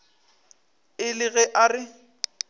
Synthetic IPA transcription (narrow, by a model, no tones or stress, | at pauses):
ɪlɪɣɛʔarɪ